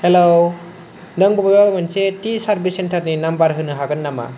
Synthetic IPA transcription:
helow | nɯŋbɔbababamansetisaɾbisentaɾninambaɾɦɯnɯɦaɡɯnːama̰

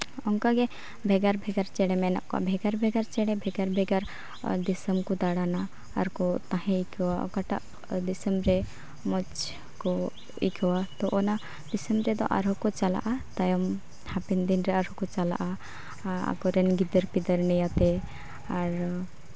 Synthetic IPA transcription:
ɔŋkaɡɛ | bʱɛɡaɾbʱɛɡaɾt͡ʃɛɽɛmɛna̰ʔkɔa̰bʱɛɡaɾbʱɛɡaɾt͡ʃɛɽɛbʱɛɡaɾbʱɛɡaɾ | d̪isəmkɔd̪aɽana̰ː | ɾkɔt̪ãɦɛ̃ikʰwa̰kaʈa̰ʔ | d̪isəmbɾɛ | mɔt͡ʃ | kɔ | ḭkʰɔwat̪ɔʔɔna | d̪isəmbɾɛd̪ɔ̰ʔa̰ɾɦɔkɔt͡ʃala̰ʔat̪ajɔm | hapɛnd̪inɾɛaɾɔkɔt͡ʃala̰ʔa | a̰kɔɾɛnɡid̪əɾpid̪əɾnɛjat̪ɛ | aɾ

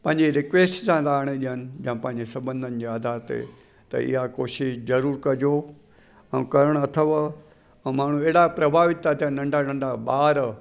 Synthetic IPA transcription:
pɐ̃ɦɪ̃ɲd͡ʑeɾɪkʋeːsʈsãɾaːɽ̃eɗijənɪ̆d͡ʑɐ̃ãpɐ̃ɦɪ̃ɲd͡ʑesɐbə̃nd̪ʱənɪ̆d͡ʑead̪ʱaːɾt̪ḛ | t̪ɐ̰ɪ̰ɦakoːʃɪʃzɐɾuːɾkɐd͡ʑo | ɛ̃ːkɐɾəɽ̃ɐt̪ʰəʋ | ɛ̃ːmaːɳ̤ũeɦɽapɾɐbʱaːʋɪt̪ːat̪ʰianɐ̃ɳɖanɐ̃ɳɖaɓaːɾ

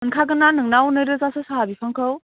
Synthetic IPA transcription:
ɯnkʰaɡɯnanɯŋnawnɯjɾɯzasɯsaɦabipʰaŋkʰɯw

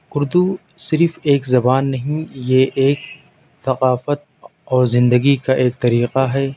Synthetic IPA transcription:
ʊɾd̪u | sɪɾfeːkzɐbaːnːɐɦĩjeʔeːk̚ | θɐqaːfət̪̚ɔːɾzɪ̃nd̪əɡikaʔeːk̚t̪ɐɾiːqaɦɛː

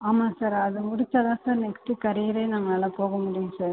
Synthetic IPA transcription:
aːmaːsaːɾɐðɯmʊɽɪt͡ʃːaːðãːsaːɾnɛksʈɯkɐɾɪjɪɾeːnaŋɡɐɐlɐpoːɣɐmʊɽɪjʊ̃saːɾ

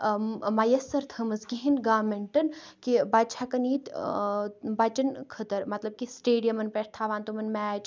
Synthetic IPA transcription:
majɐsːɐɾt̪ʰɐmɐsɡiɦinɡaːmeɳʈɐnkibat͡ʃʰakɐniːt̪ | bat͡ʃɐnkʰɐt̪ɐɾmɐt̪lɐb̚kisʈeːɖijɐmɐnpeʈ̚ʰt̪ʰaːʋaːnt̪umɐnmɛːt͡ʃ

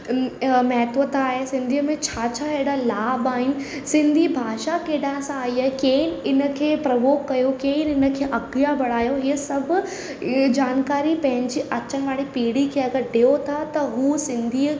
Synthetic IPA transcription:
mɛɦt̪ʋət̪aːɦesɪ̃nd̪ʱiəmẽt͡ɕʰaːt͡ɕʰaɦeːɽalaːbaːɦɪnɪ̆sɪ̃nd̪ʱibʱaːʃakeːɗãɦɪ̃sãaːiaːɦekeːnɪɪnə̆kʰeːpɾɐʋoːkːɐjokeːnɪnə̆kʰeːʔɐɡijabɐɽ̤aːjoɦiəsɐbʱʊ̆ | d͡ʑaːnkaːɾipɐ̃ɦɪ̃ɲd͡ʑiʔɐt͡ɕənɪ̆ʋaːɽipiːɽikʰeɐɡəɾɖeot̪ʰat̪ɐɦuːsɪ̃nd̪ʱi

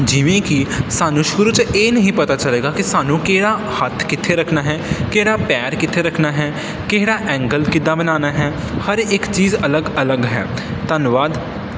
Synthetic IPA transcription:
d͡ʒiʋẽkisaːnũʃɡʊɾut͡ʃeːnɐɦĩpɐt̪at͡ʃɐleːɡakisaːnũkeɦɪɽa | hɐt̪ʰkɪt̪ʰːeɾɐkʰnaɦɛːkeɦɪɽapɛːɾkɪt̪ʰeɾɐkʰnaɦɛː | keɦɪɽaʔɛ̃ːŋɡəlkɪd̪abɐnaːnaɦɛː | hɐɾeːkt͡ʃiːzɐləɡɐləɡɦɛ̰ːt̪ɐnʋaːd̪

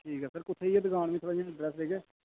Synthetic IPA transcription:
ʈʰiːkɦɛːsəɾkʊt̪ʰːeːiɛːd̪əɡaːɳʋĩːt̪ʰəɾaːãːɖɾɛːsɾeːkeː

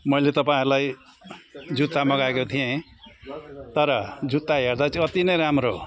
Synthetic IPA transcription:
mʌjlet̪ʌpaĩlaj | d͡zut̪ːamʌɡaekot̪ʰijẽ | t̪ʌɾʌd͡zut̪ːaɦeɾd̪at͡sʰiʌt̪inʌjɾamɾo

